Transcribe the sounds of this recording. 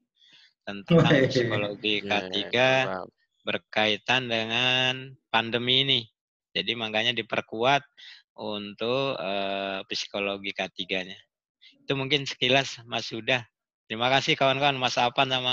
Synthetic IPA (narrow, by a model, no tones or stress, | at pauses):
t̪ənt̪apisikoloɡikət̪iɡa | bərkait̪andəŋanpandəmiːni | d͡ʒadimaŋɡaɲadipərkuat̪̚ʔunt̪ʊkəpisi̥koloɡikət̪iɡaɲa | it̪umuŋkɪnsə̥kilasmasudah | t̪əɾimakasɪhkawankawanmasaːpant̪ama